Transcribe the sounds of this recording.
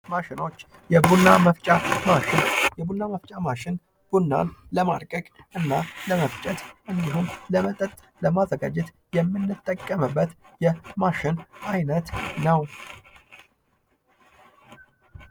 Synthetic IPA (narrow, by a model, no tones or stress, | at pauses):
maʃɪno̞t͡ʃː | jɛbunːaməft͡ʃʼamaʃɪnjɛbunːaməft͡ʃʼamaʃɪn | b̥unːa̰nləma̰ɾkʼəkʼʔɨnːaləməft͡ʃʼɛt̪ʔɨnd̪iɦunləmət̪ʼət̪ʼ | ləmazəɡa̰d͡ʒɨt̪ | jɛmːɨnːɨt̪ʼːəkʼːəmɨbːət̪jɛmaʃɪnajnət̪nəw